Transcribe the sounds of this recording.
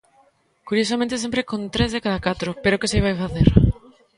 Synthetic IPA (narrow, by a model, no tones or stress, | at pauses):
kuɾjosamẽnt̪esẽmpɾekont̪ɾezðekaðakat̪ɾʊpeɾokɪsiβajfaθeɾ